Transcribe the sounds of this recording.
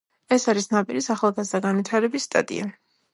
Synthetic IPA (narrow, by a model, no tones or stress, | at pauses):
ɛsaɾisnapʼiɾisaχalˠɡazd̪aɡanvit̪ʰaɾɛbisːt̪ʼa̰t̪ʼḭa